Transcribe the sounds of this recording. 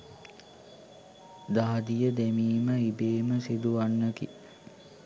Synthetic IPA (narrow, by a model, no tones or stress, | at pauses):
d̪aɦɐd̪ijəd̪emiːməibeːməsid̪uʋanːəki